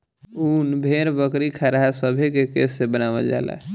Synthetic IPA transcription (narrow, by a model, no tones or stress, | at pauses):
uːnbʱeɾbəkɾikʰaɾaɦasəbʱekekesːebənaːʋəld͡ʒa̰ːla̰